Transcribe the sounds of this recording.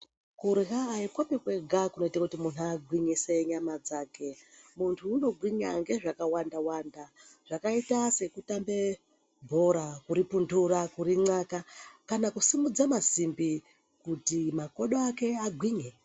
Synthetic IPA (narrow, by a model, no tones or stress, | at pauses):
kuɾiɦaːikwapikwe̞ɡʱakuno̞itakutimun̤uaɡʱwiɲise̞ɲamad͡zaːke̞muntʰuːno̞ɡʱwiɲa̰ŋɡe̞ʐakawandawandaʐ̥akaitase̞kutambe̞ | bʱoɾakuɾipundurakuɾiŋ͡ǀakakanakusimud͡zamasimbi | kutimako̞ɗoake̞aɡʱwiːɲe